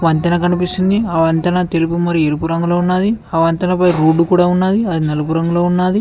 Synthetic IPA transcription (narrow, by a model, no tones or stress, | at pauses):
ʋɐnt̪ɐnɐkɐnipist̪und̪iɐʋɐnt̪ɐnɐt̪elupumɐɾieɾupuɾɐŋɡuloːunːaːd̪iɐʋɐnt̪ɐnɐpɐjɾuːɖːukuːɽaːunːaːd̪iɐd̪inɐlɐpuɾɐŋɡuloːunːaːd̪i